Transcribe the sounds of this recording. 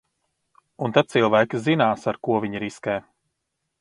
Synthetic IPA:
unt̪ad̪̚silˠvæjkʲizinaːsaɾkuɔvʲiɲiɾiskɛː

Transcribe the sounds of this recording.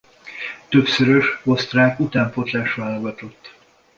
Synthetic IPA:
t̪øpsøɾøʃo̞st̪raːkut̪aːɱpo̞t̪laːʃvaːlo̞ɡɒt̪o̞t̪ː

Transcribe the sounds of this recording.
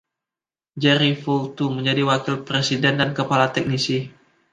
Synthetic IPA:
d͡ʒɛɾifolt̪uməɲd͡ʒadiwakɪlpɾesidɛndankəpalat̪ɛk̚nisi

